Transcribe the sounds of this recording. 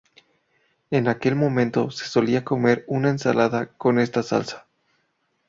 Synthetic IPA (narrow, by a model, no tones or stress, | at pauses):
e̞nake̞lmõ̞mẽ̞nt̪o̞se̞̥so̞liako̞me̞ɾunaensa̰laðako̞ne̞st̪asa̰lsḁ